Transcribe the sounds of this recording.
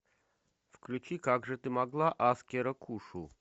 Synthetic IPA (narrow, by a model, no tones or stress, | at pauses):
fklʲʉt͡ɕikaɡʐɨt̪ɨmaɡlˠaʔaskʲɪɾəkʰuʂu